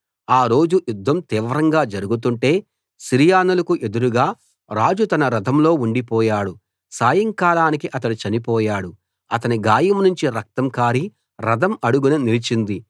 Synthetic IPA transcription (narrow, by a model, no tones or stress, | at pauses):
aːɾo̞ːd͡ʒujud̪ːɐmt̪iːʋɾɐŋɡaːd͡ʒɐɾuɡut̪̬uɳʈe̞ː | siɾijaːnulɐkuʔe̞d̪uɾuɡaː | ɾaːd͡ʒut̪ɐnɐɾɐd̪ʱɐmlo̞ːuɳɖipɔːjaːɽu | saːjɐŋkaːɽaːnikiʔɐt̪ɐnit͡ʃɐnipɔːjaːɽu | ɐt̪ɐniɡaːjɐmnuɲt͡ʃiɾɐk̚t̪ɐmkaːɾi | ɾɐd̪ɐmɐɽuɡuninilit͡ʃind̪i